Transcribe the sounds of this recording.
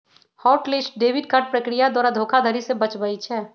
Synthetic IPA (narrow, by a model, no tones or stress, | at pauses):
hɔːʈlɪsʈ̚ɖeːʋɪɖ̚kəʈ̚pɾəkɾijad̪waːɾad̪ʱoːkʰad̪ʱəɾisebɐt͡ʃbait͡ʃʰɛː